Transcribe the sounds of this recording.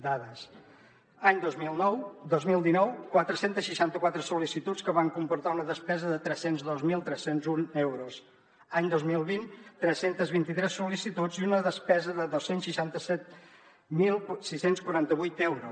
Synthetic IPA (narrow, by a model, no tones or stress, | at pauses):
d̪aðəs | aɲd̪ozmilˠnɔwd̪ozmilˠd̪inɔwkwat̪ɾəsent̪əsʃiʃant̪əkwat̪ɾəsulisit̪ut͡sskəβaŋkumpuɾt̪aunəðəspɛzəðət̪ɾɛsenzðozmilˠt̪ɾɛsenzunewɾus | aɲd̪ozmilˠβint̪ɾɛsent̪əzβint̪it̪ɾɛsulisit̪ud͡ziunəðəspɛzəðəðosensʃiʃant̪əsɛt̪̚ | milˠsisenskwuɾant̪əβujt̪ɛwɾus